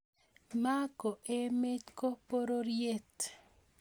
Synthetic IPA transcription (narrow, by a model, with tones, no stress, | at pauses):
ma˦ko˨ʔe˦me˦t͡ʃko˦po˦ɾo˦ɾje˦t̪